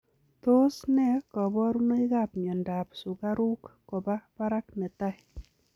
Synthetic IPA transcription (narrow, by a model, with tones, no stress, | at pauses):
t̪o˦snɛ˦kɔ˨bɔ˦ɾu˦no˦i˦ɡa˦˨pm˨ɔ˨nda˨psʊ˨ɡa˦ɾu˦kːɔ˨ba˦pa˦ɾa˦k̚nɛ˨ta˦